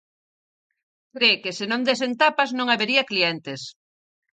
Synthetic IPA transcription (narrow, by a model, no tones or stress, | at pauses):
kɾekesenõnd̪esent̪apaznõŋaβeɾiɐkliɛnt̪es